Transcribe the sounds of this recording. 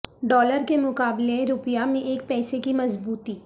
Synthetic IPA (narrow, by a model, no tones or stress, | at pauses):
ɖɔːləɾkemʊkaːbleɾʊpjamẽʔeːk̚pɛːsekimɐzbuːt̪iː